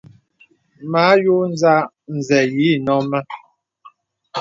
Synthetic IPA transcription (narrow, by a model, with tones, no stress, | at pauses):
ma˨˦jo˦n˦za˦ | n̩˨zɛ˨ji˨˦nɔ˨˦ma˦